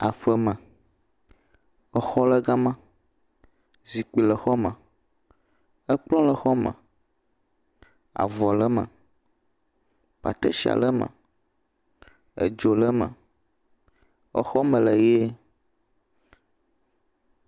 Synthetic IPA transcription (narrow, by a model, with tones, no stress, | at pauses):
a˨fə˦mə˨ | ə˦xɔ˦lə˦ɡa˦mã˦ | zi˨k͡pi˨lə˨xɔ˦mə̃˨ | ə˦k͡plɔ̃˦lə˨xɔ˦mə̰̃˨ | a̰˨vɔ˨lə˦mə̰̃˨ | ɸa̰˨t̪ə̰˦ʃi˨a̰˨lə˦mə̰̃˨ | ə̰˨d͡ʒo˨lə˦mə̰̃˨ | ə̰˦xɔ˦mə̃˨lə˨je˦